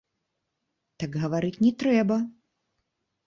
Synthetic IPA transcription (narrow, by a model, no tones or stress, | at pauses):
t̪ɐɡɣɐʋaɾɨt͡sʲnʲɛt̪ɾɛbɐ